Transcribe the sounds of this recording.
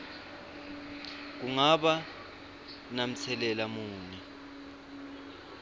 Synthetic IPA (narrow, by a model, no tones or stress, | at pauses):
k̬uŋaɓa | nam̩t͡sʰɛlɛlamuːni